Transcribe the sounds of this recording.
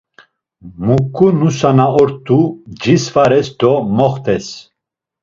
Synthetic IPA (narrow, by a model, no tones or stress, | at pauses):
mukʰːunusanaɔɾt̪ʰʼːud͡ʒisfaɾɛsd̪ɔmɔχt̪ʰɛs